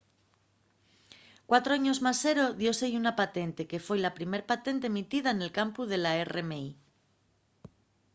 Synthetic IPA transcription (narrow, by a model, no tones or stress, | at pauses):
kwat̪ɾoaɲozmasːeɾo̞ðjo̞sejunapat̪e̞nt̪e̞ke̞fo̞jlapɾime̞ɾpat̪e̞nt̪eːmit̪iðaene̞lkampuð̞e̞laeremei